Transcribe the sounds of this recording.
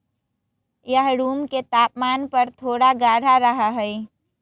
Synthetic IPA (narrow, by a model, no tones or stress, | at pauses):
jəɦɾuːmket̪aːpmaːnpəɾt̪ʰoːɽaɡaːɽaɾəɦaɦəi